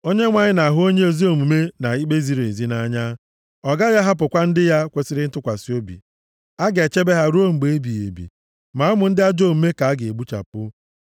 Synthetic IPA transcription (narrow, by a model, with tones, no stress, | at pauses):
o˦ɲe˦ŋʷa˨ɲɪ˦na˨ɦʊ˦o˦ɲe˦o˨zi˦o˨mu˨me˦na˨i˦ɡ͡be˦zi˨ɾe˨zi˦na˦ɲa˦ | ɔ˨ɡa˦ja˦ɦa˦p̬ʊ˨kʷa˦n̩˦dɪ˦ja˦kʷe˦sɪ˦ɾɪ˦n̩˦tʊ˦kʷa˨si˦o˦bḭ˨ | a˦ɡe˨t͡ʃe˦be˦ɦa˦ɾu˦o˦ŋ͡m̩˨ɡ͡be˨e˦bi˨ḛ˨bḭ˨ | ma˨a˦mʊ˨n̩˦dɪ˦a˦d͡ʒo˦˨m̩˨me˦ka˨a˦ɡe˨e˨ɡ͡bu˦t͡ʃa̰˨pʊ˦